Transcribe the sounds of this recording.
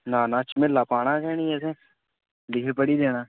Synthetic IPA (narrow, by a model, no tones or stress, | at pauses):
naːnaːt͡ʃmẽlaːpaːɽ̃akɛːnĩːɛːsẽ | lɪɦepəɽid̪eːnaː